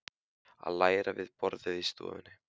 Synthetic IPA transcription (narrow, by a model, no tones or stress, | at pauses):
a̰ðlaːjɾavɪðpɔɾðɪðist̪ṵːvɪnːɪ